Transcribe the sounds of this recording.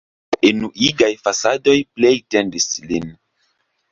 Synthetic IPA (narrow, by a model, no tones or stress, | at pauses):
enuʔiɡajfasado̞jplejtendislin